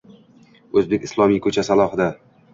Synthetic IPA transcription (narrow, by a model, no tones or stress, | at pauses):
ɵzbekʲɪslˠɒmijkʰɵt͡ʃʰasalˠɒhɨd̪a